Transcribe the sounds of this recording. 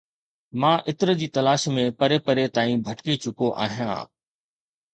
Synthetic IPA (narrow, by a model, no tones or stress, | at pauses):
mãːʔɪt̪ɪɾəd͡ʑiːt̪ɐlaːʃmẽpəɾepəɾet̪aːĩbʱəʈkit͡ɕʊkoʔa̰ːɦijã̰ː